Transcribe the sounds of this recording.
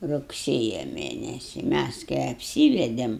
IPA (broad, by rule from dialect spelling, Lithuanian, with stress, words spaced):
rʊkˈsʲeːjɛ ˈmʲeːnʲɛsʲɪ ˈmʲæs kɐɪ ɐpʲˈsʲiːʋʲɛdʲeːm